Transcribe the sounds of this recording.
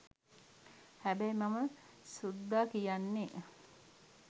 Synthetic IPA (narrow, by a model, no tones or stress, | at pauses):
hæbæjmaməsud̪ːaːkijanːe